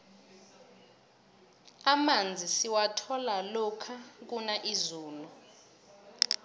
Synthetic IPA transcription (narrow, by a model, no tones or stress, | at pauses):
amand͡zʱisiwatʰɔlalɔkʰak̬unaʔizuːlu